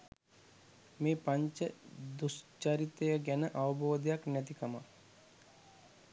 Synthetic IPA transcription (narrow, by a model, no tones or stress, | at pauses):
meːpaɲt͡ʃəd̪ust͡ʃaɾit̪ejəɡɛnəʔaʋəbʱoːd̪jaknɛt̪̬ikɐma